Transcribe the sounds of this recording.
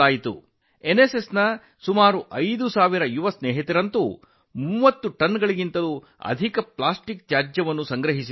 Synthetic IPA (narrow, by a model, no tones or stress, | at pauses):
aːjit̪ṵ | enesesnɐ | sumaːɾuʔɐjd̪usaːʋiɾɐjuʋɐsneːɦit̪iɾɐnt̪u | muːʋɐt̪ːuʈɐnɡɐɭiɡint̪ɐlu | ɐ̰d̪ʱikɐpɭaːsʈik̚t̪jaːd͡ʒjɐʋɐnːusɐŋɡɾɐɦis̬i